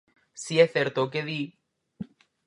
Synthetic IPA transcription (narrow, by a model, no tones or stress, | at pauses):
sieθeɾt̪ok̬eði